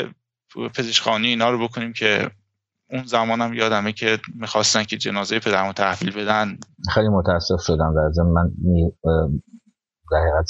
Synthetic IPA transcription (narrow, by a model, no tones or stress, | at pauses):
pʰe̞zeʃxɒːniiːnɒːɾobe̞kʰoniːmcʰe | unzæmɒːnæmjɒːd̪æmecʰemixɒːst̪æn̚cʰed͡ʒe̞nɒːzejepʰe̞d̪æɾmot̪ʰæhviːlbe̞d̪ænxejlimot̪ʰææsːe̞fʃod̪æmd̪æɾzemːænmi | d̪æhiːɣæt̪